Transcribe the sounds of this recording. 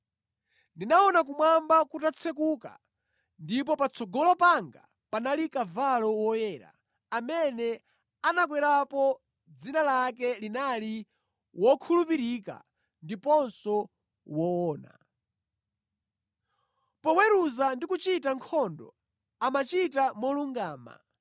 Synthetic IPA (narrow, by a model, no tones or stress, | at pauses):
ndinaɔnak̬umwambakutat͡sʰɛk̬uka̰ | ndip̬ɔpat͡sʰɔɡɔlɔpaŋɡa̰ | panalikavalɔwɔjɛːɾa̰ː | mɛnɛ | anakwɛɾapɔ | d͡zinalakɛlinali | wɔkʰulupiɾika̰ | ndipɔnsɔ | wɔɔːna̰ | pɔwɛɾuzandikut͡ʃitaŋkʰɔndɔ̰ | amat͡ʃitamɔluŋɡaːma̰